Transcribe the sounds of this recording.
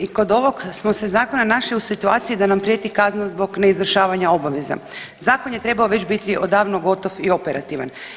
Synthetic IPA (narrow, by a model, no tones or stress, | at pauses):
iko̞d̪o̞ʋo̞ɡsmo̞se̞zaːko̞nanaʃliusit̪uaːt̪sijid̪anampɾijet̪ikaznazbo̞ɡne̞izʋr̩ʃaːʋaɲao̞baʋeza̰ | zaːko̞njet̪ɾe̞baoʋe̞t͡ɕbit̪iʔod̪aːʋnoɡo̞t̪o̞fio̞peɾa̰t̪iʋa̰n